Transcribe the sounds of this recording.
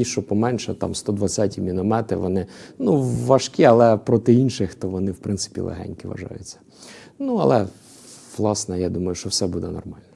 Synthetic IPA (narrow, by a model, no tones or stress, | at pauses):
iʃt͡ʃɔpɔmɛnʃɛt̪ɑ̰mst̪ɔd̪ʋɐt͡sʲːatʲimʲinɔmɛt̪ɪ̰ʋɔnɪnuʋɐʃkʲiɐlˠɛpɾɔt̪ɪinʃɪxt̪ɔʋɔnɪwpɾɪntsɪ̥pʲḭlˠʔḛɦɛ̰nʲkɪʋɐ̰ʒɑ̰jʊ̰t͡sʲːɐ̥ | nuɐlˠɛ | ʋlˠɑsnɛjɑd̪umɐjʊʃt͡ʃɔwsɛbud̪ɛnɔ̰rmɑlʲnɛ